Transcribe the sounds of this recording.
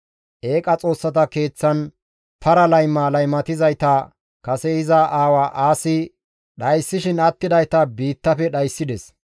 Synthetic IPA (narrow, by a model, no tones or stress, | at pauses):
ʔe̞ːkʼɐt͡sʼo̞ːsːɐt̪ɐke̞ːt͡sːɐn | pɐɾɐlɐjmaːlɐjmɐt̪ɪzɐjt̪ɐ | kɐsɛɪzaʔaːwaʔaːsɪ | ɗɐjsːɪʃɪnɐt̪ːɪd̪ɐjt̪ɐbiːt̪ːɐfɛɗɐjsːɪd̪ɛs